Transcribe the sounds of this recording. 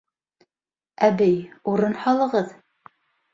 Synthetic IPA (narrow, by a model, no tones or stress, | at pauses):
æbɘjuɾɤnhɑlˠɤ̆ʁɤð